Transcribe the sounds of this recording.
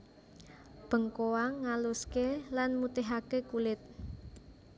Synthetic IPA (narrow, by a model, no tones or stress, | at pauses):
b̥ə̤ŋkowaŋːaluskelanmut̪eɦakekulɪt̪̚